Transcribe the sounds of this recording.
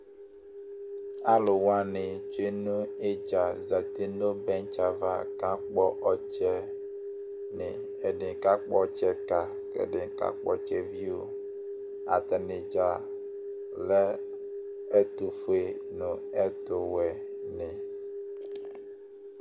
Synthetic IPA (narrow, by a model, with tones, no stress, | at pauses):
a˦lo˨wa˦nɪ˨t͡ʃe˦nũ˦e˦d͡ʒa˨za˨t̪e˦no˦bɛ˦nt͡ʃa˨va˦ka˦k͡pɔ˦ʔɔ˦t͡ʃɛ˦ | nɪ̰˨ | ɛ˨ɖɪ˨ka˦k͡pɔ˦˨t͡ʃɛ˦ka˨ | kɛ̰˨ɖɪ˨ka̰˦k͡pɔ˦t͡ʃɛ˨vi˦o̰˨ | a̰˨t̪ɛ˨nɪ˨d͡ʒa˨ | lɛ˦ | ɛ˦t̪u˨fu˨˦e˨nʊ̃˨ɛ˦t̪ʊ˨wɛ˨nɪ˨